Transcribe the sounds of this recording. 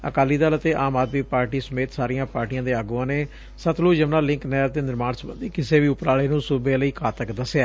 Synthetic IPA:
ə̰kaːliːd̪aːlət̪eːʔaːmaːd̪miːpaːɾʈiːsəmeːt̪saːɾijãːpaːɾʈijãːd̪eːaɡuːãːneː | sət̪ʰloːd͡ʒəʋnãːlɪ̃ŋknɛːɾd̪eːnɪɾmaːnsəbə̰̃nd̪iːkɪseːʋiːʊpɾaːɭeːnũːsʊbeːləiːkʰaːt̪əkd̪əseaː

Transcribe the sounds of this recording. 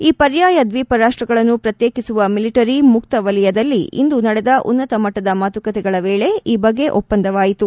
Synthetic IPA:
iːpɐɾjaːjɐd̪ʋiːpɐɾaːʂʈɾɐɡɐɭɐnːupɾɐt̪jeːkisuʋɐmiliʈɐɾimukt̪ɐʋɐlijɐd̪ɐlːiḭnd̪unɐɽed̪ɐʔṵnːɐt̪ɐmɐʈːɐd̪ɐmaːt̪ukɐt̪ɛɡɐɭɐʋeːɭe̞iːbɐɡːe̞ʔɔpːɐnd̪ɐʋaːjit̪u

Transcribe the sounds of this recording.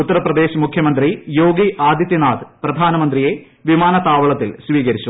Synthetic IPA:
ut̪ːɐɾɐprɐd̪e̞ːɕmukʰjɐmɐnd̪rijo̞ːɡiʔaːd̪ʱjɐt̪jɐnaːd̪prɐd̪ʱaːnɐmɐnd̪rije̞ | ʋimaːnɐt̪aːʋɐɭɐt̪ːilsʋiːkɐɾit͡ɕːu

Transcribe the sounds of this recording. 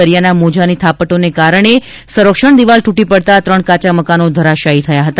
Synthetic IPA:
əɾjanamod͡ʒanit̪ʰapəʈonekaɾəɳ̃e | səɾəkʂəɳd̪iʋalʈuʈipəɽt̪at̪ɾəɳkat͡ʃaməkanod̪ʱəɾaʃaɦit̪ʰəjaɦət̪a

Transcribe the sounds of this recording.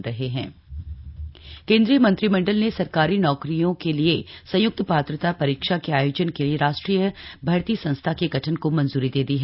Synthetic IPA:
ɾɐɦeɦɛ̰̃ː | kẽːnd̪ɾijəmɐ̃nt̪ɾimɐ̃ɳɖəlnesɐɾkaːɾinɔːkɾijõkeliesɐ̃jʊk̚t̪paːt̪ɾət̪apɐɾiːkʃakeaːjoːd͡ʒənkelieɾaːʃʈɾijəbʱɐːɾt̪isɐ̃nst̪ʰakeɡʱɐʈʰənkomɐ̃nzuːɾid̪eːd̪iɦɛː

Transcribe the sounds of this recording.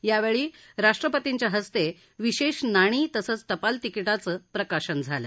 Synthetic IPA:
jaʋeɭiː | ɾaʂʈɾəpət̪iɲt͡ɕjaɦəst̪e | ʋiɕeɕnaɽ̃iːt̪əsət͡st̪əpalt̪ikiʈat͡səːpɾəkaɕənd͡zʱalə

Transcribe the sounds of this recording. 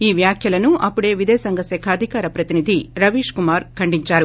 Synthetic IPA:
iːʋjaːkʰjɐlɐnuɐpːuɽe̞ːʋid̪ɛːsɐŋɡɐsɛːkʰaːd̪ʱikaːɾɐpɾɐt̪inid̪ʱiɾɐʋiːʂkumaːɾkʰɐɳɖiɲt͡ʃaːɾu

